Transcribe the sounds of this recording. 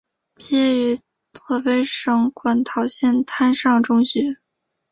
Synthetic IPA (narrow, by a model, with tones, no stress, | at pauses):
pʰjɛ˥y˧˥ | t̪ʰɤ˥˩fe˧˥ɪʂɤ˧˥ŋkwa˨˩˥nt̪ʰɑ˨˩ʊɕjɛ˥˩nt̪ʰa˥nʂɑ˥˩ŋʈ͡ʂʊ˥ŋɕɛ˧˥˦